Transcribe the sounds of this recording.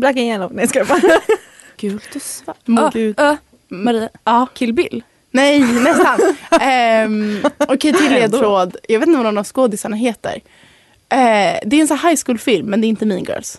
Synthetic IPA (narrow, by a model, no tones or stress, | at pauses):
bɾakaɛnɔɡnɛskɛpa | ɡ̥ʉ̟ːlt̪ʊsvamɡʉ | maɾiːaɑːkʰɪlːbɪlː | nɛjnɛsant̪ː | ɔkʰɛjt̪ʰɪlːeːd̪̚ɾoːd̪jɑɡeːt̪nvaɔnːavskoːd̪ɪsaɳaɦeːt̪ə̰ɾ | ʔɛd̪ɛɾɛnsahajskuːlfɪlmːɛnd̪ɛɾɪnt̪əminɡœ̰ːls